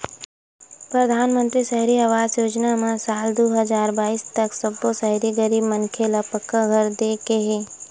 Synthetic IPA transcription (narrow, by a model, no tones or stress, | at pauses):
pɾɐd̪ʱaːnmə̃nt̪ɾiʃɐɦɾiaʋaːzjoːd͡ʒnamãsaːld̪oːɦəzaːɾbaːiːst̪ɐksɐbːosɐɦɾiɡəɾiːbmənkʰelapəkːaɡʱɐɾd̪eːkeɦeː